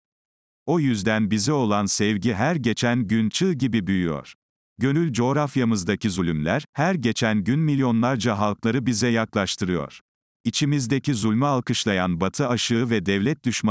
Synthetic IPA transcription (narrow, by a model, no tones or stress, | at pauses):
o̞jyzd̪ænbizɛo̞lˠansɛvɟiɦæɾɟe̞t͡ʃʰænɟynt͡ʃʰɯːɟibibyjyjo̰ɾ̥ | ɟø̞nylʲd͡ʒo̞ːɾafjamɯzd̪acʰizylʲymlʲæ̰ɾ̥hæɾɟe̞t͡ʃʰænɟynmilʲjo̞nlˠaɾd͡ʒaɦalˠklˠaɾɯbizɛjaklˠaʃt̪ʰɯɾɯjo̰ɾ̥ | it͡ʃʰimizd̪ecizulʲmaːlˠkɯʃlˠajanbat̪ʰɯaʃɯɯvɛd̪ɛvlʲɛt̪̚d̪yʃma